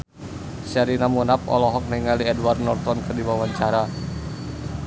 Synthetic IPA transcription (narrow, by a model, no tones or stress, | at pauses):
sɛɾinamunap̚ɔ̰lɔɦɔk̚nɛiŋaliɛdwardnɔrt̪ɔnkɨrdibawaɲt͡ʃaɾa